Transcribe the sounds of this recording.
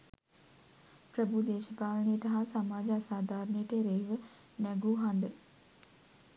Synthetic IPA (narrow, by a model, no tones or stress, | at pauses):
pɾəbud̪eːʃəpaːlənəjəʈɐɦasamaːd͡ʒəasaːd̪ʱaːɾənejəʈeɾeʋə | næɡuɦand̪ə